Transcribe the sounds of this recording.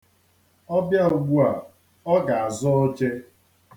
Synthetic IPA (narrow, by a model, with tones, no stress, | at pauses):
ɔ˦bja˦u˨ɡʷu˦a˨ | ɔ˦ɡa˨a˨zʊ˦o˦t͡ʃe˦